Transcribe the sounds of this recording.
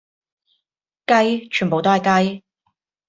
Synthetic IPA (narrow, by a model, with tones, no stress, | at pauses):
kɐ˥jt͡ʃʰyː˨˩npo˨wt̪o˥hɐ˨jkɐ˥j